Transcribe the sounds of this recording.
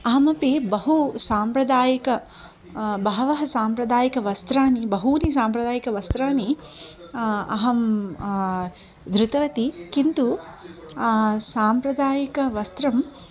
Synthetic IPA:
ɐɦɐmɐpibɐɦusaːmpɾɐd̪aːjɐkɐ | bɐɦɐʋɐɦɐsaːmpɾɐd̪aːjɐkɐʋɐst̪ɾaːnibɐɦuːnisaːmpɾɐd̪aːjɐkɐʋɐst̪ɾaːni | ɐ̰ɦɐm | d̪ɾut̪ɐʋɐt̪ikint̪u | saːmpɾɐd̪aːjɐkɐʋɐst̪ɾɐm

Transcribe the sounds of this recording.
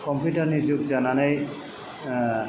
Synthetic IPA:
kɔmpjutaɹnizukzananaj

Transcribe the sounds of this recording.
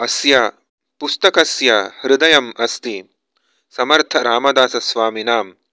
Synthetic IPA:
ɐsjaː | pust̪ɐkɐsjaːhɾud̪ɐjɐmɐst̪i | sɐmɐɾt̪ʰɐɾaːmɐd̪aːsɐsʋaːminaːm

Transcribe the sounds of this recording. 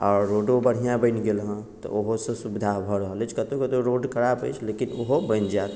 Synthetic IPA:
ɔːɾːoːɖobəɽ̤ijãbəɪnɡelɦə̃t̪ɔ̰oɦosesubd̪ʱabʱəɾəɦəlet͡ʃʰkət̪okət̪oɾoːɖkʰəɾapḛt͡ʃʰleːkinoɦobənd͡ʒaːt̪

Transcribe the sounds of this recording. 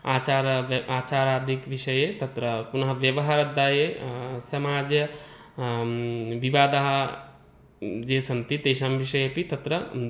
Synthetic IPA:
at͡ʃaɾat͡ʃaɾad̪ikʋiʃɐjet̪ɐt̪ɾəpunɐɦʋjəʋəɦaɾɐd̪ajesɐmad͡ʒjə | ʋiʋaːd̪aɦ | d͡ʒesʰɐnt̪it̪eʃamʋiʃɐjepit̪ɐt̪ɾə

